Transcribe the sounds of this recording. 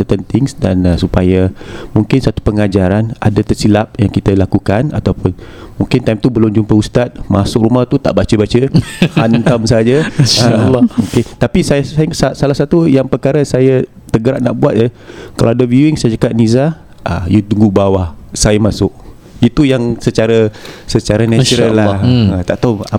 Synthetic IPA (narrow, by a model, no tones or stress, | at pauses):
ət̪ənt̪ɪŋsdanəsupajamuŋkɪnsat̪u̥pəŋad͡ʒaɾana̰dat̪ərsilap̚jaŋkit̪əlakukana̰t̪awpʊnmuŋkɪnt̪ajmt̪ubəlumd͡ʒuŋpəust̪at̪̚ma̰sʊk̚ɾumaht̪ut̪a̰ʔbat͡ʃəbat͡ʃəhant̪amsad͡ʒə | oket̪apisaasasalahsat̪ujaŋpərkaɾasajə | t̪əɡəɾaʔ̚na̰ʔbuat̪̚jə | kalawadəvuuɪŋsajət͡ʃakaʔ̚niza | ʔa̰jud̪uŋɡubawahsajəmasʊʔ | it̪ujaŋsət͡ʃaɾasət͡ʃaɾanɛt͡ʃuɾəlːaət̪aʔt̪aa